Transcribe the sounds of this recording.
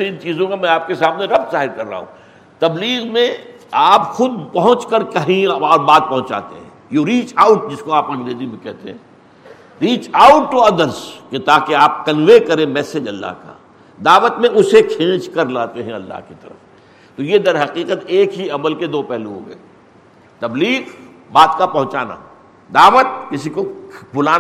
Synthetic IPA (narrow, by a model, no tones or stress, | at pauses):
seɪ̃nt͡ʃiːzõkamɛ̃aːp̚kesaːmneɾɐb̚t̪zaːɦɪɾkɐɾːa̰ːɦṵ̃ | t̪ɐbliːɣmẽ | aːpxʊd̪̚pɐɦʊ̃t͡ʃkəɾkɐɦĩɔːɾbaːd̪̚pɐɦʊ̃nt͡ʃa̰ːt̪ḛɦɛ̰̃joɾiːt͡ʃaʊʈd͡ʒɪskoaːpɐ̃ŋɡɾeːzimẽkɛɦt̪eɦɛ̰̃ː | ɾiːt͡ʃaʊʈːoɐd̪əɾsket̪aːkeaːp̚kɐnʋekɐɾẽmɛːsed͡ʒɐlːa̰ɦka̰ː | d̪aːʋət̪mẽʊsekʰẽːt͡ʃkɐɾlaːt̪eɦɛ̃ɐlːa̰ɦkit̪ɐɾəf | t̪ojed̪ɐɾɦɐqiːqət̪eːkɦiɐməlked̪oːpɛɦluɦo̰ːɡɐ̰e | t̪ɐbliːq | baːt̪kapɐ̃ɦʊ̃t͡ʃaːna̰ | d̪aːʋət̪̚kɪsikobʊlaː